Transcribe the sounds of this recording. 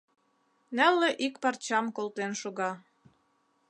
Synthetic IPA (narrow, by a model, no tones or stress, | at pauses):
nælːĕʔikpɑrt͡ɕɑmkolt̪enʃoɣɑ